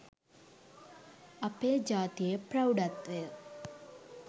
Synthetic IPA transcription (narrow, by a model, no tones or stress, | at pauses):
ɐpeːd͡ʑaːt̪ijeprɐwɖɐt̪ʋe